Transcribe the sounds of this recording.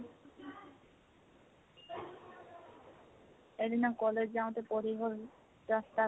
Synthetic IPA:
elinakɔled͡ʑd͡ʑaot̪epoɾiɦol | ɾast̪a

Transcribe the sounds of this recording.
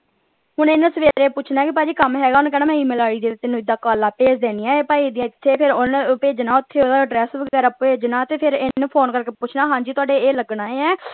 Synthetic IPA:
ɦʊnɪnsəʋeːɾeːpʊt͡ʃʰnaːɛkɪpaːd͡ʒiːkəmɦɛːɡaːñːkɛːnaːmɛ̃ːiːmeːlaːɽiːd̪eːt̪ɪnũːɪd̪aːkaːlːaːpeːd͡ʒd̪eːniːɛ̃ːeːpaːiːd̪ɪjãːɪt̪ʰːeːpʰɪɾonpeːd͡ʒnaːʊt̪ʰːeːoːd̪aːɖɾɛːsʋəɡɛːɾaːpeːd͡ʒnaːt̪eːpʰɪɾɪnpʰoːnkəɾkeːpʊt͡ʃʰnaːɦãːɲd͡ʒiːt̪ʊaːɖeːeːləɡnaːeːɛː

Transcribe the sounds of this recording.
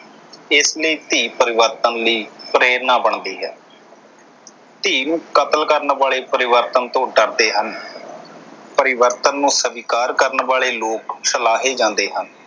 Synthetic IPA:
ɪsləiːt̪iːpəɾɪʋəɾt̪ənliːpɾeːɾnaːbəɳd̪iːɦɛː | t̪iːnũːkət̪əlkəɾnʋaːɭeːpəɾɪʋəɾt̪ənt̪õːɖəɾd̪eːɦən | pəɾɪʋəɾt̪ənːũːsəʋiːkaːɾkəɾnʋaːleːloːksəlaːɦeːd͡ʒãːnd̪eːɦən

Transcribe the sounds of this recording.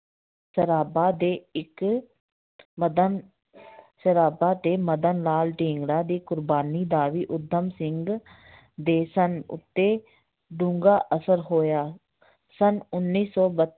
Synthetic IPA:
səɾaːbaːd̪eːɪk | d̪ | səɾaːbaːt̪eːməd̪ənlaːlʈĩːŋɡɽaːd̪iːkʊɾbaːniːd̪aːʋiːʔʊd̪ʱːəmsɪŋɡ | d̪eːsənʊ̰t̪ːeː | ɖũːŋɡaːʔəsəɾɦoːjaː | sənʊnːiːsɔːbət̪

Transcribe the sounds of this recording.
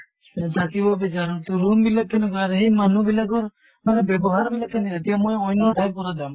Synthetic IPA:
d̪akibɔbit͡ʃaɾɔɾt̪uɾumbilaɛnɔɡaɾɦimanubilaɡɔɾ | aɾɔbɛbɔɦaɾbilakʰaniat̪ijamɔjɔjnɔɾʈajb̚kɔɾad͡ʒam

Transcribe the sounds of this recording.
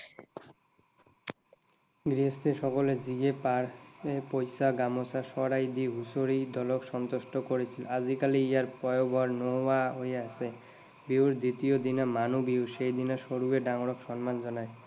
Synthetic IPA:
ɡɾiost̪eʃɔkoled͡ʑiɡepaɾepojsaɡamosaʃɔɾajd̪iɦusoɾid̪ʱɔlokʃɔnt̪oʃʈokoɾet͡ɕʰilad͡ʑikaliiaɾpɔjobʱɔɾnowaɦojeasʰe | biwɾd̪it̪iod̪inamanubiwʃejd̪inaʃoɾueɖaŋoɽokʃɔnmand͡ʑɔnae

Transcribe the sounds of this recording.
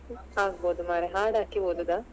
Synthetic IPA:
haːɡboːd̪umaːɾeɦaːɽaːkiboːd̪ud̪a

